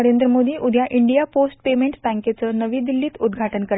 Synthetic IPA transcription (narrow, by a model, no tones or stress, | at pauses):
əɾend̪ɾəmod̪iːʔud̪ʱjaʔiɳɖijaposʈ̚pemeɳʈst̪æ̃ŋket͡sənəʋiːd̪ilːiːt̪ud̪ɡʱaʈənkəɾ